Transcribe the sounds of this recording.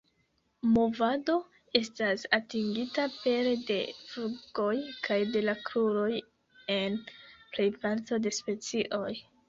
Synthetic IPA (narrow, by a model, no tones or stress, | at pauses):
mo̞vado̞ | e̞stasatiŋɡitape̞ɾe̞de̞̰fuɡ̥o̞jkʰajde̞lakɾuɾo̞j | e̞nple̞jpaɾto̞de̞spe̞t͡siʔo̞j